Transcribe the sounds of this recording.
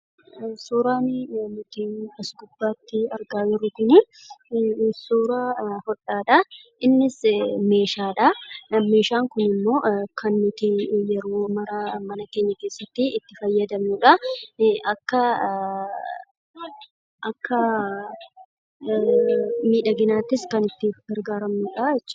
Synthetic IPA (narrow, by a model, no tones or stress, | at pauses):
suːɾaːnnʊt̪iːnɐsɡʊbːaːt̪ːɪɐɾɡaːjɪɾʊkʊnɪ | suːɾaːhɔᶑaːᶑɐ | ʔɪnːɪsme̞ːʃaːᶑɐɐmːeːʃaːŋkʊnɪmːo̞ːkʰɐnːʊt̪ijɛɾoːmɐɾɐmɐnɐke̞ːɲːɐke̞ːsːɐt̪ːɪːt̪ːɪfɐjːɐd̪ɐmnʊᶑɐʔɐkːɐ | ʔɐkːɐ | miːᶑɐɡɪnaːt̪ːɪskɐnɪt̪ːɪɡɐɾɡaːɾɐmnuːᶑɐɛt͡ʃːɐ̥